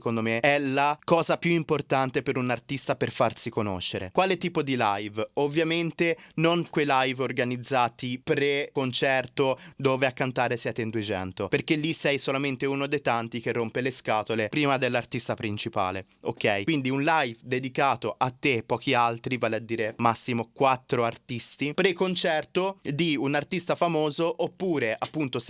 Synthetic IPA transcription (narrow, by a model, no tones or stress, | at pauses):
kond̪omeɛlakɔːzapjuimport̪ant̪epeɾunart̪ist̪aperfarsikono̰ʃːeɾḛkwaːlet̪iːpod̪ila̰jvovːjament̪enoŋkwejlajvorɡanid̪zːaːt̪ipɾekont͡ʃɛrt̪od̪oːveakːant̪aːɾesjɛːt̪end̪ued͡ʒɛ̰nt̪operkelːisɛjsolament̪eunod̪ejt̪ant̪ik̟erːompeleskaːt̪olepɾiːmad̪elːart̪ist̪apɾint͡ʃipa̰ːle | o̰kːɛjwind̪iunlajvd̪ed̪ikaːt̪oʔat̪ːepːɔːkialt̪ɾivaːlead̪ːiːɾemasːimokwat̪ːɾoart̪ist̪ipɾekont͡ʃɛrt̪od̪iunart̪ist̪afamoːzoʔopːuːɾeʔapːunt̪os